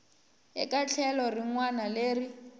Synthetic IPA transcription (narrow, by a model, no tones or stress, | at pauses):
ɦɪ̰kʼat͡ɬʰɛlɔriŋwanaleːri